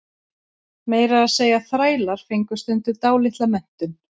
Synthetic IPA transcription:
meːjɾaːðseːjaθɾaːjlaɾ̥fɪŋkʏ̥st̪ɛnt̪ʏt̪aːwlɪht̪lamɛn̥t̪ʏn

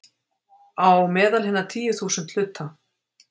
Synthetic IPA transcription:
awmɛːðalhɪnːat̪ʰiːjʏθuːsʏnt̪l̥ʏt̪ʰːa

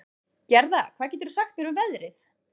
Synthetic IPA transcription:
cɛɾðakʰvaːðc̬ɛːt̪ɪɾsaxt̪mɛnʏmvɛðɾɪθ

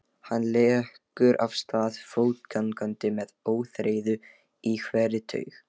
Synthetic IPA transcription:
hanːlɛːhkʏɾʔa̰v̥st̪aːðfoːwt̪kʰankant̪ɪmɛðoːwθɾeːjðʏ | ikʰvɛːɾɪt̪ʰœ̰ːɥx

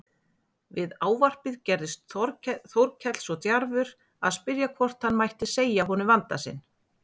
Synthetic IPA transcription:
vɪðaːwvar̥pɪðcɛɾðɪst̪ɾθowɾcʰɛt̪l̥sɔt̪jaɾvʏɾ | aðspɪɾjakʰvɔr̥t̪hanːmajht̪ɪseːjaɦɔnʏvant̪a̰sɪ̰n

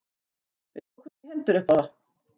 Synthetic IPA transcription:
vɪɔkʰvɛhɛnt̪ʏɾʏhpaða

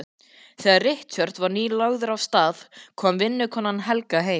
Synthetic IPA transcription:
θɛːɣarɪht̪ɕœɾ̥t̪vaɾniːlaɣðʏɾavst̪aːðkʰɔːmvɪnːʏkʰɔːnːanɦɛlkaɦeːj

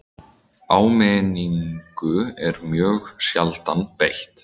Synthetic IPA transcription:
aːwmɛniŋkʏɛɾmjœːɣsjalt̪anpejht̪

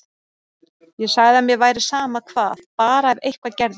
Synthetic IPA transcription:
jɛsaɣðɪamjɛvaːjɾɪsaːmakʰvaːðpaːɾaɛðejhkʰvacɛɾð

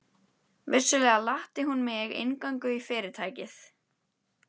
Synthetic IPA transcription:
vɪr̥sʏlɛːɣalaht̪ɪɦunmɛɣɪ̰nkaŋkʏifɪːɾɪ̥t̪ʰaːjcɪθ

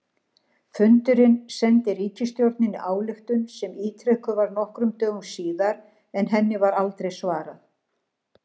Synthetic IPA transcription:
fʏnt̪ʏɾɪnsɛnt̪ɪriːcɪst̪jowɾt̪nɪniʔaːwlɪxt̪ʏnsɛmiːt̪ʰɾɛhkʏvaɾnɔhkɾʏmt̪œːɣʏmsiːðaɾ | ɛnɦɛnːɪvaɾalt̪ɾejsvaːɾaθ

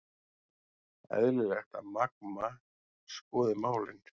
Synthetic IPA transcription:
ɛ̰ðlɪlɛxt̪amak̚ma | skɔːðɪmaːwlɪn

